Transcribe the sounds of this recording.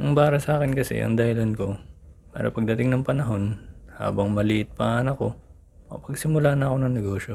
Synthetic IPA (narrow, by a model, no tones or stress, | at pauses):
nɐŋbaːɾɐsɐaːkɪnkɐsɛ̰ʔɐ̰ŋd̪ɐhɪlɐnko̞pa̰ːɾɐ̰pɐɡ̚d̪ɐt̪ɪŋnɐŋpɐnɐɦo̞nha̰ːbɐŋmɐlɪʔɪt̪̚pɐŋaːnɐkːo̞ | ɐpɐɡsɪmʊlaːnɐɐko̞nɐŋnɛɡo̞ːʃo̞